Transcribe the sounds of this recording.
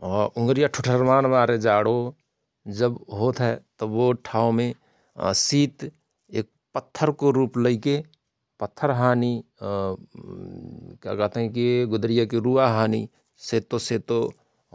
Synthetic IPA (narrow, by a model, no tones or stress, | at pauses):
ɔːɾʊ̃ŋɡɾijaʈʰʊʈʰəɾmaːnʋaːɾed͡ʒaːɽo | d͡ʒəbɦoːt̪ɦɛt̪ɔʋoʈʰaːomẽ | siːt̪ | ḛːk̚pət̪ʰːəɾkoɾuːpləike | pət̪ʰːəɾɦaːni | kja̰kɛɦt̪ɦɛ̃kiɡʊd̪ɾijakiɾuːaɦaːni | seːt̪oseːt̪o